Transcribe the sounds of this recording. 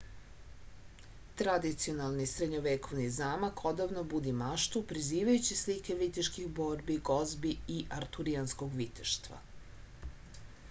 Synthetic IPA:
t̪ɾad̪it̪sio̞nalˠnisɾed̪ɲoʋeko̞ʋnizaːmakʰo̞d̪aʋnobud̪imaʃt̪upɾiziːʋajut͡ɕislike̞ʋit̪iʃkixbo̞ːɾbiɡo̞zbiiʔaɾt̪uɾiansko̞ɡʋit̪eʃt̪ʋa̰

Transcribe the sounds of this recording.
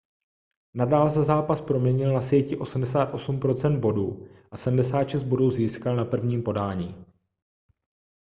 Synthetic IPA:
nadaːlsɛzaːpaspɾo̞mɲɛɲɪlnasjɛcɪʔo̞smdɛsaːt̪ʔo̞sumpɾo̞t͡sɛnd̪̚bo̞duːʔasɛdm̩dɛsaːt̪ʃɛst̪̚bo̞duːziːskalnapr̩vɲiːmpo̞daːɲiː

